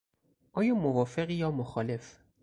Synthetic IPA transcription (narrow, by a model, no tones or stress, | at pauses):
ʔɒːjɒːmovɒːfeɣijɒːmoxɒːle̞f